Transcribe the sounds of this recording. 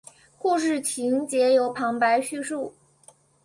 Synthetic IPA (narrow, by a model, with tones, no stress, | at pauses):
ku˥˧ʂɻ̩˥˩t͡ɕʰi˧˥ŋt͡ɕjɛ˧˥jo˧˥ʊpʰɑ˧˥ŋpa˧˥ɪɕy˥˧ʂu˥˩